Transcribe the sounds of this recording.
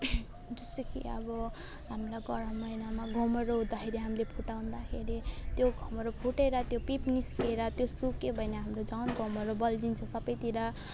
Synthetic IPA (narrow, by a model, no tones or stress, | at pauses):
d͡zʌst̪okḭʌ̰bʌ | ɦamlaɡʌɾʌmʌjnamaɡʱʌmʌɾoɦud̪akʰeɾiɦamilepʰuʈaw̃nd̪akʰeɾit̪joɡʱʌmʌɾopʰuʈeɾʌt̪jopipniskeɾʌt̪josukebʱʌjneɦamrod͡zawnɡʱʌmʌɾobʌld͡zint͡sʰʌsʌbʌjt̪iɾa